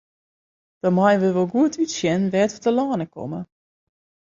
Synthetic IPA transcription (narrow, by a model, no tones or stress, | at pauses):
d̥ɔmajʋəʋɔlˠɡuətʰytsjɛnʋɛːtɔtəlaːnəkɔ̰mə